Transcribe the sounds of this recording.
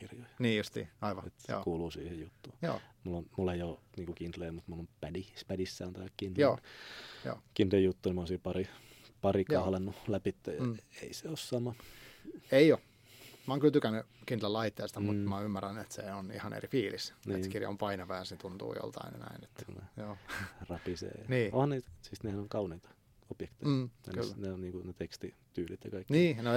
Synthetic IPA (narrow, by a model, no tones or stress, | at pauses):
kirjojniːjust̪ḭːɑiʋɑet̪o̰ːkuːluːsiːhejjut̪ːuːjo̰ːmulːonmulːejjoniːŋkukint̪leːmut̪mulːompædispædisːæːnt̪æjækkint̪joːjo̰ːkint̪lejut̪ːuːnimonsiːpɑripɑrikɑhlenːulæpit̪ːæjɑḛiseossɑmɑ | eio | mæoŋkylt̪ykænːykint̪lælɑit̪ːeːst̪ɑmut̪mæymːærænet̪seonḭhɑnḛɾifiːlisnieːskirjɑ̰o̰mpɑinɑʋæːnsnet̪unt̪ṵːjo̰lt̪ɑ̰in̰næ̰ine̥t̪ːkṵlnḛjoːrɑpisḛːɑniːohɑnniːt̪sist̪nehænoŋkɑuniːt̪ɑ̥ | opjekt̪eiɑ̰lːneonniːŋkunet̪ekst̪it̪yːlit̪jɑkɑikːniːne